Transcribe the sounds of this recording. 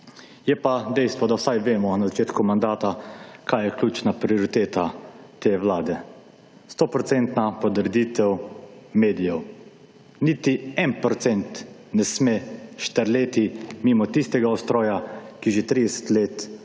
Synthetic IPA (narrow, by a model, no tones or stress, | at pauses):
jɛpad̪ɛjst̪ʋɔd̪awsajʋeːmɔnazat͡ʃeːt̪kumand̪aːt̪akʰaːjɛkljuːt͡ʃnapɾioɾit̪eːt̪a | t̪ewlaːd̪ɛ | st̪opɾɔt̪sɛnt̪napɔd̪ɾɛd̪it̪ɛwmeːd̪ijɛw | niːt̪iɛnpɾɔt̪sɛnt̪nɛsmeʃt̪əɾleːt̪imimɔt̪ist̪ɛɡaɔst̪ɾɔːjakiʒet̪ɾid̪ɛsɛ̥t̪leːt̪